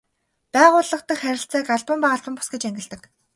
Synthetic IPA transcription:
pæːʁʊːɮə̆χt̪ə̆kχæɾʲɪ̆ɬt͡sæːkaɮpə̆mpaːə̆ɮpə̆mpʊ̥sɡĕt͡ɕæŋɡʲɪ̆ɮt̪ə̆k

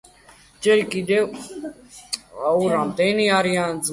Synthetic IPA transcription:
d͡ʒɛɾikʼid̪ɛ | uɾamt̪ʼɛniaɾiãnd͡z

